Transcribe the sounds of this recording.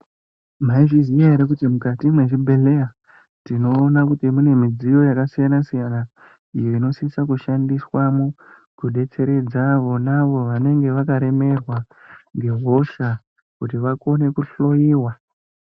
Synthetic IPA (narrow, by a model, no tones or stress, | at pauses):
maiʐizijaɦeɾek̬utimukatimweʐibʱe̞le̞ja | tino̞ːnakutimune̞mid͡zijo̞jakasijanasijana | ijoino̞sisakuʃandiswamu | kuɗe̞t͡se̞ɾe̞d͡zaʋo̞naʋo̞ʋane̞ŋɡe̞ʋakaɾe̞me̞rwa | ŋɡe̞ɦo̞ʃa | kutiʋako̞ne̞kuɬo̞jiːwa